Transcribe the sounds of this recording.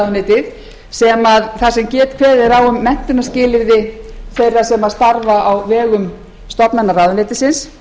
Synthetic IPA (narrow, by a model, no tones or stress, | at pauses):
ðʏnɪːt̪ɪð | sɛmaðθasɛmcɛːt̪kʰvɛːðɪɾawʏmːɛn̥t̪ɪnːascɪːlɪvðɪθejrːḁsɛmaðst̪aɾvaʔawvɛːɣʏm | st̪ɔpnanːaraːwðʏnɪːt̪ɪsɪns